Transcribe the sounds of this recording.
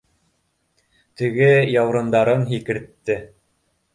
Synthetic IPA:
t̪ɘ̆ɡɘjɑwɾɤ̆nd̪ɑɾɤnɦikɘ̆ɾt̪ːɘ

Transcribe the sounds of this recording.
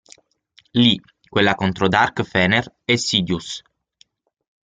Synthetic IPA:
li | kwelːakont̪ɾod̪arkfɛːner | ɛsːiːd̪jus

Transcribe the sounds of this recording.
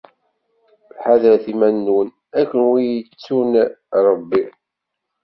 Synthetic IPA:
lħaðɾæθimænːwən | ækːənwijət͡sːunɾˤəbːi

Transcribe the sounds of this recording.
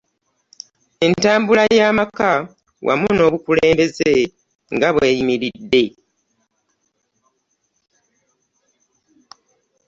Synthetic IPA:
e̞ntaːmbulajaːmaka | wʔa̰muno̞ːβukuleːmbe̞ze | ŋɡaβwe̞ːjimiɾidːe̞

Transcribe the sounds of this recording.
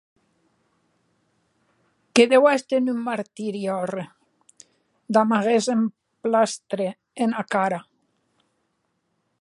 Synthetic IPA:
keðewast̪enymmaɾt̪iɾjɔre | d̪amaɣezem | plast̪ɾe | enakaɾa

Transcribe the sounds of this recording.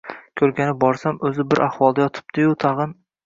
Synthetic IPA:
kʲʰɵɾɡʲanɪbɒɾsamɵzɪbɪɾʔaχwɒlˠd̪ajɒt̪ʰɪ̥b̚d̪̥ɪjʊt̪ʰɑʁɨn

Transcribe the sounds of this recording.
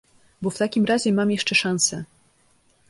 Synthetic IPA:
bɔft̪akʲimɾaʑɛmamjɛʂt͡ʂɛʂãñsɛ

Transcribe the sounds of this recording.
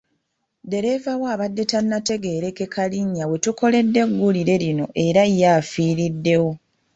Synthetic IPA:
de̞ɾe̞vawaːβadːe̞tanːate̞ɡe̞ːɾe̞ke̞kʰaliɲːawe̞tuko̞le̞dːe̞ɡːuliɾe̞lino̞̰ʔe̞ɾajafiːɾidːe̞wo̞

